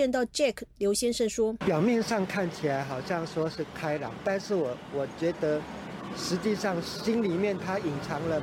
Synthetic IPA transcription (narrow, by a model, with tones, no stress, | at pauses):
ɛ˥˧nt̪ɑ˥˩ʊʈ͡ʂɛ˥˩kʰljo˧˥ʊɕjɛ˥nʂə˥˩ŋʂwɔ˥pjɑ˨˩ʊmjɛ˥˧nʂɑ˥˧ŋkʰa˥˩nt͡ɕʰi˨la˨˦ɪxɑ˨˩ʊɕjɑ˥˩ŋʂwɔ˥ʂɻ̩˥˩kʰa˥ɪlɑ˨˥˦ŋt̪a˥˧nʂɻ̩˥˩wɔ˨˩wɔ˨˩t͡ɕɥɛ˧˦˥d̪ə˧˦ | ʂɻ̩˧˦t͡ɕi˥˧ʂɑ˥˩ŋɕi˥nli˨mjɛ˥˨nt̪ʰa˥i˨˩ŋt͡sʰɑ˧˥ŋlə˧